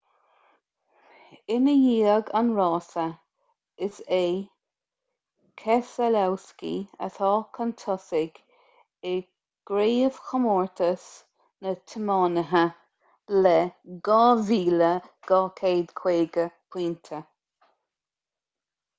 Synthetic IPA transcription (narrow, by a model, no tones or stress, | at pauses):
ɪnəjiːəɡanɹɑːsə | ɪseː | kʰɛsəlawskḭə̰t̪ʰɑːkʰənt̪ʰɔsɪɡ | ɪ | ɡ̥ɾeːəv̥xəmɔːɹt̪ʰəs | nət̪ʰəmɑːnəɦə | lɛɡɑːviːləɡ̥ɑːkʰeːd̪kʰw̥eːɡəpʰwiːnt̪ʰə